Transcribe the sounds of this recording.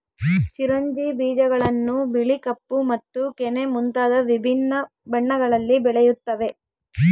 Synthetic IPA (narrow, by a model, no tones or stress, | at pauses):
t͡ʃiɾɐɲd͡ʒibiːd͡ʒɐɡɐɭɐnːubiɭikɐpːumɐt̪ːukɛnemunt̪aːd̪ɐʋibʱinːɐ | bɐɳːɐɡɐɭɐlːibɛɭejut̪ːɐʋe̞